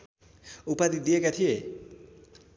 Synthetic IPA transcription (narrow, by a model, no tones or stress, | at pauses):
upad̪it̪̚d̪ijekat̪ʰije